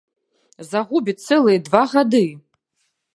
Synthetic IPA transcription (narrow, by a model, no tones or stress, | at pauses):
zaʁubʲit͡sʰɛlˠɨjɛdvaʁadɨ